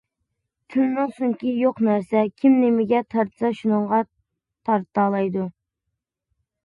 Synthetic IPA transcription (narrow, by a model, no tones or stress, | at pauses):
t̪ʰynnɨŋsuŋkʲijoqnæɾsɛkʲʰimnemɪɡʲɛt̪ʰɑɾt̪ʰɨ̥sɑʃunɨɴʁɑ | t̪ʰɑɾt̪ɑːlˠɑjd̪u